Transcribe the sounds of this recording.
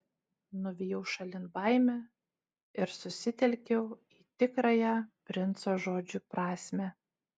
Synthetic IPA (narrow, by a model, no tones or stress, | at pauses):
nʊʋʲɪjɛʊʃɐlʲɪnbɑˑɪmʲɛ | ɪɾsʊsʲɪt̪ʲɛlʲkʲɛʊ | iːt̪ʲɪkɾɑjɛæpʲɾʲɪnt̪soːʒoːd͡ʒʲʊpɾɑːsʲmʲæ